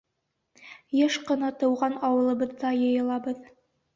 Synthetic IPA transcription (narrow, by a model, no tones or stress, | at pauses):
jeʃqɤ̆nɑt̪ɤ̆wʁɑnɑwɤ̆lˠɤ̆bɤ̆ðːɑjɤ̆jɤ̆lˠɑbɤð